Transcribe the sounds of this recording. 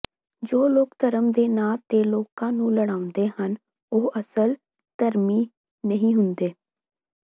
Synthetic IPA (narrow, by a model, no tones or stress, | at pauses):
d͡ʒoːloːkt̪əɾəmd̪eːnaːt̪eːloːkãːnũːləɽaːʊ̃nd̪eːhən | oːəsəl | t̪əɾmiː | nəɦĩːɦʊnd̪eː